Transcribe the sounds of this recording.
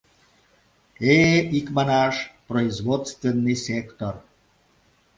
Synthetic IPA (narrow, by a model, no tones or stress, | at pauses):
eikmɑnɑʃproizβot̪st̪venːɨjsʲekt̪or